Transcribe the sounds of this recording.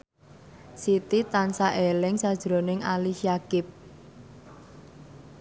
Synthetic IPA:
sit̪it̪ansaʔelɪŋsad̥ʒ̥ɾonɪŋaliʃiakɪp̚

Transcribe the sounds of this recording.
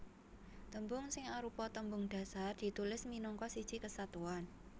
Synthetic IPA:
t̪əmbʊŋsɪŋaɾupɔt̪əmbʊŋd̥ä̤sard̪̥i̤t̪ulɪsminɔŋkɔsid̥ʒ̥ikəsat̪uan

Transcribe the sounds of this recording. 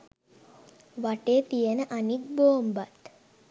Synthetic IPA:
ʋaʈeːt̪ijenəʔanik̚boːmbat̪

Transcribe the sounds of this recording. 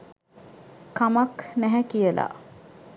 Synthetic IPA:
kamaknæɦækijəla̰

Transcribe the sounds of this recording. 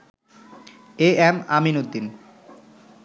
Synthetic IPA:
eɛma̰minod̪ːin

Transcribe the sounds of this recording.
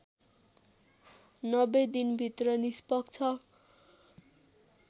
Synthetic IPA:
nʌbed̪inbʱit̪rʌnispʌkt͡sʰʌ

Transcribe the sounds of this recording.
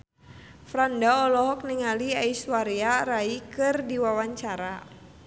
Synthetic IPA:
fɾandaɔlɔɦɔk̚niŋaliaiswaɾiaɾaikɨrdiwawaɲt͡ʃaɾa

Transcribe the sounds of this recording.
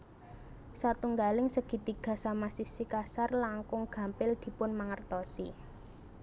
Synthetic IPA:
sat̪uŋɡalɪŋsəɡ̥i̤t̪iɡ̥a̤samasisikasarlaŋkʊŋɡ̥ä̤mpɪld̪̥i̤pʊnmaŋərt̪ɔsḭ

